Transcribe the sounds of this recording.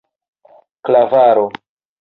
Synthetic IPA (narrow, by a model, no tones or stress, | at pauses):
klavaɾo